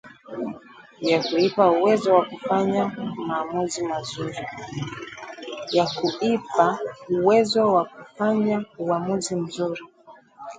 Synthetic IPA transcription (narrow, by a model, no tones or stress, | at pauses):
jakuipauwɛzɔwakufaɲamaːmuzimazuɾi | jakuipauwɛzɔwakufaɲauamuzim̩zuɾi